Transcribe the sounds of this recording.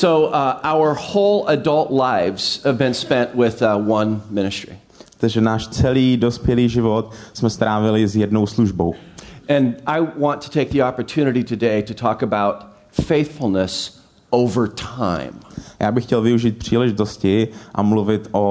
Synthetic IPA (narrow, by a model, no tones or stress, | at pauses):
soʊʔaʊə˞hoʊlˠədʌlˠtlaɪvz̥həvbɨ̃nspɛ̃nʔwɪðwʌ̃nmɪ̃ñɨstɹ̥ḭ | t̪aʒɛnaːʃt͡sɛliːdospjɛliːʒɪvot̪smɛst̪ɾaːvɪlɪzjɛdnowsluʒbowɨ̃nʔaɪwɑ̃ntʰɨ̥tʰeɪk̚ðiɑpə˞tʰʉnɨɾiɾɨdeɪɾɨtʰɔkəbaʊt̚ | feɪθfl̩ˠnəs | oʊvə˞tʰã̰ɪ̃mjaːbɪxcɛlvɪuʒiːt̪̚pr̝̥iːlɛʒɪt̪oscɪʔa̰mluvɪt̪ʔo